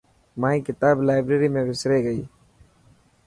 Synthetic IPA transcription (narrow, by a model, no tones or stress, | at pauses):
maːĩːkɪt̪aːblaːɪbɾeːɾiːmẽːʋɪsɾeːɡəiː